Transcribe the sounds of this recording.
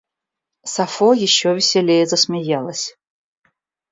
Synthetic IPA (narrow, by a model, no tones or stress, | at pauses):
safojɪɕːovʲɪsʲelʲejɛzɐsmʲɪjalˠəsʲ